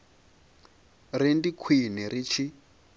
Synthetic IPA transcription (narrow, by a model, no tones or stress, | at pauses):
rindikʰwinɛɾit͡ʃʰi